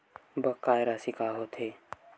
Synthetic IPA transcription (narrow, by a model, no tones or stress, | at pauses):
bəkːaːjɾasikaːɦot̪ʰeː